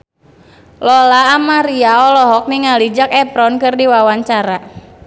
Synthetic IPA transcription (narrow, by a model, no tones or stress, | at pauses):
lɔlaːmaɾiaɔlɔɦɔk̚niŋalid͡ʒakɛpɾɔnkɨrdiwawaɲt͡ʃaɾa